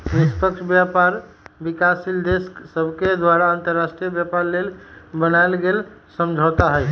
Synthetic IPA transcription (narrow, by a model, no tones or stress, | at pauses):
nispəkʃʰbjapaɾ | bikasild̪esksəbʱked̪waɾaant̪əɾːasʈɾijəbjapaɾlelbənajlɡelsəmd͡ʒʱot̪aɦəj